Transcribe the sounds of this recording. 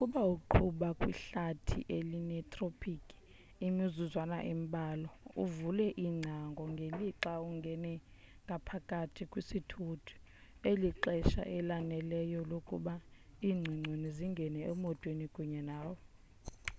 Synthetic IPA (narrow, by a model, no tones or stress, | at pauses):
ukʼuɓauǃʰuɓakʼwḭɬatʰḭʔelinɛtʼropʰikʼi̥ | imizuzwana̰ʔim̩ɓʱʼaːlɔuvulɛʔiŋ͡ǀʱaŋɡʱɔŋɡʱeliǁauŋɡʱɛnɛ | ŋɡʱapʰakʼatʰikʼwisitʰutʰu̥ | eliǃɛʃa̰ʔɛlanɛlɛjɔlokʼṵɓaiːŋ͡ǀʱiŋ͡ǀʱiniziŋɡʱɛnɛɛmɔtʼwenikʼuɲɛnaːwɔ